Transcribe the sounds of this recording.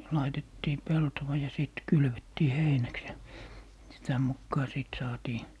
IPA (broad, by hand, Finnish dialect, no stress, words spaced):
lɑitetːiː peltowɑ jɑ siˑt kylʋetːiː heinæks jɑ sitæ mukːɑː siˑt sɑːtiː